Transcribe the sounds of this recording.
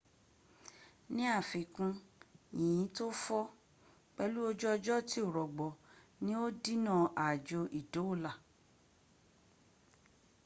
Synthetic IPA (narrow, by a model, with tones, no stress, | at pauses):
nĩ˦a˦˨fi˨kũ˧ĩ˨ĩ˨˦to˦fɔ˦ | k͡pɛ˦lu˦o˦d͡ʒɔ˦ɔ˧d͡ʒɔ˦ti˦o˦˨ɾɔ˨ɡ͡bɔ˨nĩ˦o˦di˦nã˦˨ʔa˨d͡ʒo˧ʔi˨do˨˦o˦˨la˨